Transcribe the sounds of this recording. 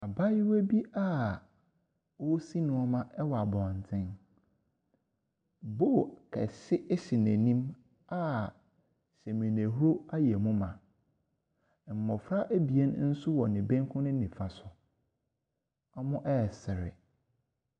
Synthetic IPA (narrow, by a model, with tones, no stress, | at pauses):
a˨ba˦ji˦we˦bi˦a˦˨ | o˦si˦nʊ̃˦ɔ˦mã˦ʔɛ˦wa˨bɔ̃˨n˨tʰɪ̃˦n | bo˦˨kʰɛ̰˨sɪ˦ʔɕɪ˨næ̃˨nĩ˦m | a˦ | ɕɛ˨mĩ˨næ̃˨ɦu˦ɾo˦a˦jɛ˨mʊ̃˦mã˨ | m̩˨mɔ̃˨fɾa˦ʔæ˦bi˨ɛ˦n˦n̩˦sʊ˦wɔ˨nɪ̃˨bẽ˦ŋ˦kʰʊ̃˦nʊ̃˦nĩ˨fa˨sʊ˨ | a˦mʊ̃˦ʔɛ˦˨sɪ˨ɾɪ̰˨